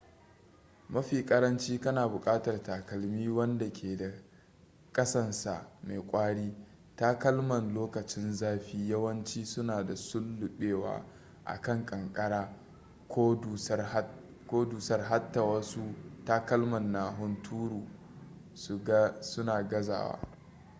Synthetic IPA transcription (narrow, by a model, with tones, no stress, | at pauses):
mɐ˦ɸiː˨kʼɐ˦ɾɐ˦nt͡ʃiː˦kɐ˦naː˨bʊ˨kʼaː˦tɐ˨rtaː˨kɐ˨lmiː˦wɐ˦nda˨kʲʰeː˨da˨ | kʼɐ˦sɐ˦nsa̰˨ʔma˨jkʷʼaː˦ɽiː˦ | taː˦kɐ˦lmɐ˨nloː˦kɐ˨t͡ʃɪ˦nzaː˦ɸiː˦jɐ˦wɐ˦nt͡ʃiː˦sʊ˦naː˨da˨sʊ˦lːʊ˨ɓeː˦wa̰ː˦ | ʔa̰˨kɐ˦˨ŋkʼɐ˨ŋkʼɐ˦ɽaː˦ | ko˦du˨s | kʷoː˦duː˨sɐ˦rɦa˦tːa˨wɐ˦su˦taː˦kɐ˦lmɐ˨nːaː˨ɦʊ˦ntʰuː˦ɽuː˨ | ssʊ˦naː˨ɡɐ˦za̰ː˨wa̰ː˦